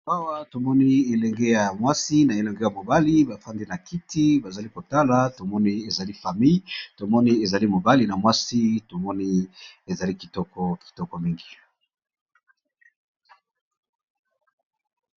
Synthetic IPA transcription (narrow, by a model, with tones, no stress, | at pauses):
a˦wa˦to˨mɔ˦ni˦e˨lɛ˨ŋɡe˦ja˨mwa˦si˦na˨e˨lɛ˨ŋɡe˦ja˨mo˨ba˦li˦ba˨fa˦ndi˦na˨ki˦ti˦ba˨za˨li˦ko˨ta˦la˨˦to˨mɔ˦ni˦e˨za˨li˦fa˨mi˦jto˨mɔ˦ni˦e˨za˨li˦mo˨ba˦li˨na˨mwa˦si˦to˨mɔ˦ni˦e˨za˨li˦ki̥˨tɔ˦kɔ˦ki̥˨tɔ˦kɔ˦mi˦ŋɡi˨